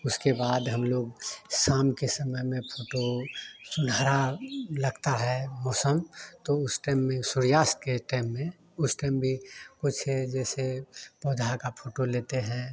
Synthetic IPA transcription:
ʊskebaːd̪ɦɐmloːɡsaːmkesəməjmẽpʰoːʈosʊnɦaːɾalɐɡt̪aɦɛmɔːsəmt̪oʊsʈaɪmːẽsʊɾjaːst̪̚keʈaːɪmːẽ | ʊsʈaɪmbʱikʊt͡ʃʰɦed͡ʒɛːsepɔːd̪ʱakapʰoːʈoleːt̪eɦɛ̃

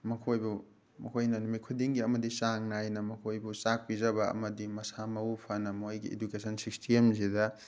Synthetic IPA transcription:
mɐkʰojbu | mɐkʰojnɐnumikʰudiŋɡiɐmɐdisaŋnajnɐmɐkʰojbusak̚pizɐβɐɐ̰mɐdimɐsamɐupʰɐnɐmojɡiḛdukesʰɐnsikstʰiemsidɐ

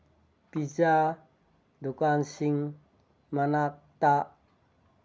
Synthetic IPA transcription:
piza | dukansiŋ | manat̪a

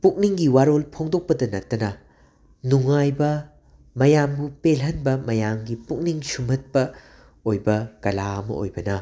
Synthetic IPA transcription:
puk̚niŋɡiwaɾolpʰoŋdok̚pɐdɐnɐtːɐnɐ | nuŋajbɐ | mɐjambupelɦɐnbɐmɐjamɡipuk̚niŋsumɐt̚pɐ | ojbɐkɐlaɐmɐ̰ʔo̰jbɐnɐ

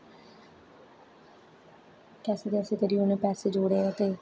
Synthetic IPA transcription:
kɛːseːt̪eəsẽːt̪eːɾiːonẽːpɛːseːd͡ʒoːɽeːaːt̪eː

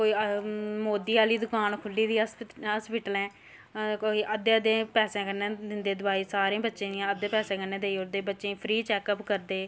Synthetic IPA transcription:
koːiːmoːd̪iːaːliːd̪ʊkaːnkʰʊlːiːd̪iːsɦaːspɪʈəlɛ̃ː | koːiːʔəd̪eːəd̪ẽːpɛːsɛ̃ːkəɾnẽːd̪ɪnd̪eːd̪ʊbaːiːsaːɾẽːbətːʃẽːd̪ijãəd̪eːpɛːsɛ̃ːkəɾneːd̪eːioɾd̪eːbətːʃẽːpʰɾiːt͡ʃɛːkəpkəɾd̪eː

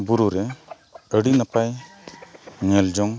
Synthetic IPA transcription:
buɾuɾɛ | əɽinapaj | ŋɛld͡ʒɔŋ

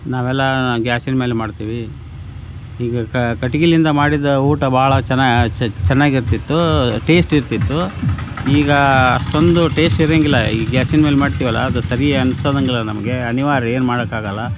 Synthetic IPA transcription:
naːʋɛlːɐɡaːsinme̞ːlemaːɖt̪iːʋi | iːɡɐkkɐʈiɡilind̪ɐmaːɽid̪ːɐuːʈɐbaːɐɭɐt͡ʃɛnːat͡ʃɛnːaːɡiɾt̪it̪ːuʈe̞ːsʈiɾt̪it̪ːu | iːɡɐːʂʈo̞nd̪uʈe̞ːsʈiɾeːŋɡilːɐḭɡjaːsinme̞ːlmaːɽt̪iːʋɐlːɐ̰ːd̪usɐɾiɐnsoːd̪ɐŋɡilːɐnɐmɐɡe̞ɐniʋaːɾɐe̞ːnmaːɽɐkːaːɡɐlːɐ

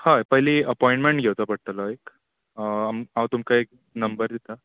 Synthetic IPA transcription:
haepəɦiliːəpɔiɳʈmeɳʈɡʱewt̪apəɽ̚t̪alɔek | amãwt̪umkaek̚ | nəmbəɾd̪it̪a

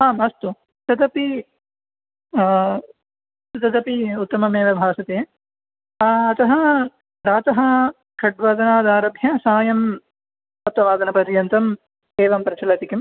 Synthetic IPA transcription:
aːmɐst̪u | t̪ɐd̪ɐpi | t̪ɐd̪ɐpiut̪ːɐmɐmeːʋɐbʱaːsɐt̪eː | ɐt̪ɐɦɐ | ɾaːt̪ɐɦɐ | kʰɐɖʋɐd̪ɐnaːd̪aːɾɐbʱjɐsaːjɐm | ɐt̪ːɐʋaːd̪ɐnɐpɐɾjɐnt̪ɐm | eːʋɐmpɾɐt͡ʃɐlɐt̪ikim

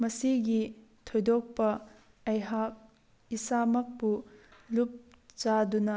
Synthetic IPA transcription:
mɐsiɡit̪ʰojdɔk̚pɐ | ɐjɦak̚ | isamɐk̚pulup̚ | t͡ʃadunɐ

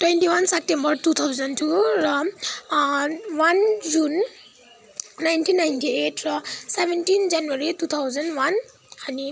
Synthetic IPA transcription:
twentiwansɛp̚tɛmbɔɹtut̪ʰawzɔntʰuɹɔ | wand͡ʒun | ajntʰinːajntietʰɹɔsɛbʱɛntinzanuaɹitut̪ʰawzɔnwan | ani

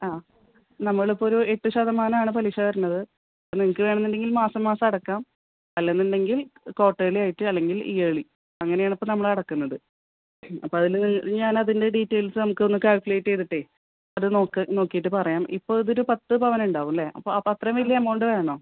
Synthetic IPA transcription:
aː | nɐmːɐɭipːooɾue̞ʈːɨɕɐðɐmaːnɐmaːɳɨpɐliɕɐʋɐɾunːɐðɨ | ɐniŋɐkːɨʋe̞ːɳɐnːinɖeŋɡilmaːsɐmːaːsɐmɐɽɐkːaːm | ɐlːenːunɖe̞ŋɡilko̞ːʈːejilaːjiʈːɨɐlːe̞ŋɡilḭjeɭi | ɐŋːɐnejaːɳipːoːnɐmːɐɭɐɽɐkːunːɐðɨ | ɐ̰pːoːɐðilniŋɐɲaːnɐðinde̞ɖiːtːe̞jlsɨnɐmukːɨo̞nːɨkaːlkule̞jtːejt̪ːiʈːe | ɐðɨno̞ːkːɨno̞ːkːijiʈːɨpɐrɐjaːmʔḭpːo̞ːɭiðo̞ɾupɐt̪ːɨpɐʋɐnuɳɖaːʋuleʔɐ̰pːoːɐpːɐt̪rɐmʋilːɐjɐmːɐoɳɖɨʋe̞ːɳo̞ː

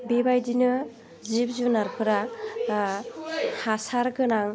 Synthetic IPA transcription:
bebajdinɯ | zip̚zunaɾpʰɯɾa | hasaɾɡɯnaŋ

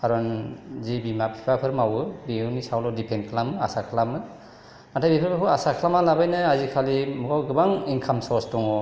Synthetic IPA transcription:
kaɾɔnzibimapʰipʰapʰɯɾmawɯbiunisawlɔdipʰenkʰɯlamɯasakʰɯlamɯ | matʰabipʰapʰapʰɔasakʰɯlamalabajnɯazikʰalimɔɡawɡɯbaŋinkʰamsɔstɔŋɔ

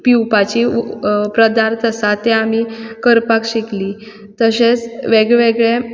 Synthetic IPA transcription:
piwpat͡ɕipɾəd̪aɾt̪əsat̪ːeamikəɾpakɕikli | t̪əɕet͡sʋeɡɭʋeɡɭe

